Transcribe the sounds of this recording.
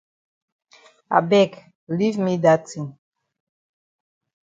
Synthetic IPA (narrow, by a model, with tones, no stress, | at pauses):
a̰˨bɛ˦k | li˦vmi˦da˦ti˨n